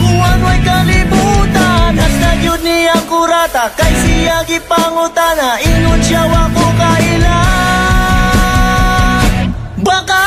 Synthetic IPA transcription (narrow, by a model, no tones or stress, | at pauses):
kʊanʊajkɐlɪbut̪anat̪ajʊd̪̚nɪjaŋkʊɾat̪akajsɪjaɡɪpaŋʊt̪anaʔɪŋʊnʃawakokaɪla | baka